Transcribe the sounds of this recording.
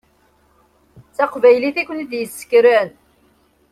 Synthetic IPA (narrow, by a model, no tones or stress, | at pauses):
t͡sæqvæjliθækʷːəniðjəsːə̥kɾæn